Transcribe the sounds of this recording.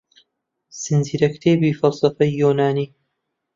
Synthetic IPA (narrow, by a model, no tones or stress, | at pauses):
sɨnziːɾɐkt̪ʰeːbiːfɐlsɐfɐjːuːnaːniː